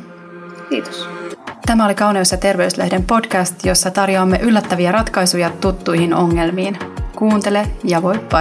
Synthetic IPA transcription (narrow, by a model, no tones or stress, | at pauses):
kiːt̪o̥st̪æmæolikɑwniosɑt̪e̞rʋe̞yslḛhde̞mpo̞dkæst̪jo̞sːɑt̪ɑrjoɑmːe̞ʔylːæt̪ːæʋiæɾɑt̪kɑjsujɑt̪ut̪ːujɦino̞ŋːe̞lmiːnkuːnt̪e̞le̞jɑʋo̞jpːɑ